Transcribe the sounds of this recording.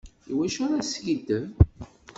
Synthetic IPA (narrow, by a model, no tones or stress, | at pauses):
iwæʃʊɾasɡid̪ə